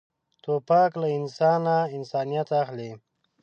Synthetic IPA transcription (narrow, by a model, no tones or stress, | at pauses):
t̪opɑklaɪnsɑnaɪnsɑːnijat̪axle